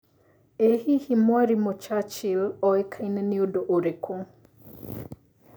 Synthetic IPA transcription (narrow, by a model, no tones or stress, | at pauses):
ehihimwaɾimɔt͡ʃat͡ʃilɔɛkʰainɛniodoʔoɾekʰo